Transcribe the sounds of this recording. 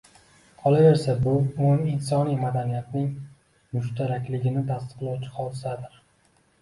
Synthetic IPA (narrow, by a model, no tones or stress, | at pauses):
qʰɒlˠave̞ɾsabʊonɪnsɒnijmad̪anijat̪̚nɪŋ | mʊʃt̪ʰaɾakʲlɪɡʲɪnɪt̪ʰast̪ɨ̥qlˠɒwt͡ʃʰɪ̥qʰɒlˠsad̪ɪɾ